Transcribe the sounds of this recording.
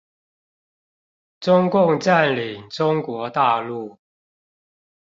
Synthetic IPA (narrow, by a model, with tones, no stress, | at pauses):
ʈ͡ʂʊ˦ŋkʊ˥˨ŋʈ͡ʂa˥˨nli˨˩ŋʈ͡ʂʊ˦ŋkwɔ˨˧˥t̪a˥˧lu˥˩